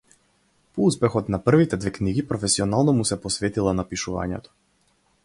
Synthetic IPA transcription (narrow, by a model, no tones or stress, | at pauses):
pɔuspɛxɔt̪napr̩vit̪ɛd̪vɛkniɡipɾɔfɛsiɔnalˠnɔmusɛpɔsvɛt̪ilˠanapiʃuva̰ɲɛ̰t̪ɔ̥